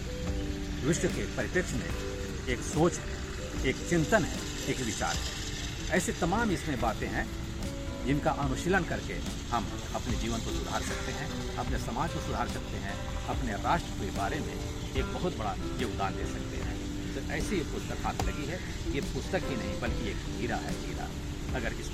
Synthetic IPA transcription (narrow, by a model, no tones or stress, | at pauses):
d̪ɾɪʃwəkepɐɾɪpɪkʃmḛ̃ | eːksoːt͡ʃɦɛ̰̃ | eːkt͡ʃɪ̃nt̪ənɦɛ̰̃ | eːkʋɪt͡ʃa̰ːɾɦɛ̃ | ɛːset̪ɐmaːmɪsmẽbaːt̪ẽɦɛ̃ | d͡ʒɪnkaʔənʊʃɪlənkɐɾkḛ | hɐm | ɐpned͡ʒiːʋənkosʊd̪ʱa̰ːɾsɐkt̪eɦɛ̃ | ɐpnesɐmaːd͡ʒkosʊd̪ʱaːɾsɐk̚t̪eɦɛ̃ | ɐpneɾaːʃʈɾəpuibaːɾemḛ̃ | eːk̚bɐɦʊt̪̚bɐɽa | joːɡd̪aːnd̪eːsɐkt̪ḛɦɛ̰̃ː | t̪oʔɛːsiepʊst̪əkɦaːt̪lɐɡiɦɛ | kepʊst̪əkɦinɐɦĩbɐlkieːkɦiːɾaɦɛ̰dʱiːɾa̰ | ɐɡəɾkɪs